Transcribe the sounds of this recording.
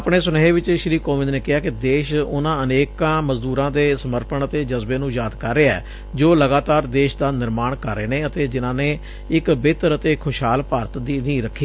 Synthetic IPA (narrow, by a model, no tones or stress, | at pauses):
əpɳeːsʊnːɦeːʋɪt͡ʃʃɪɾiːkoːʋɪ̃nd̪neːkɪɦaːkɪd̪eːʃʊnãːəneːkãːməzd̪uːɾãːd̪eːsəməɾpəɳət̪eːd͡ʒəzbeːnũːjaːd̪kəɾːeːɛ̰ː | d͡ʒoːləɡaːt̪aːɾd̪eːʃd̪aːnɪɾmaːɳkəɾːḛːneːət̪eːd͡ʒɪnãːneː | ɪkbeːt̪əɾət̪eːkʰːʊʃɦaːlpaːɾət̪d̪iːnĩːɾəkʰːiː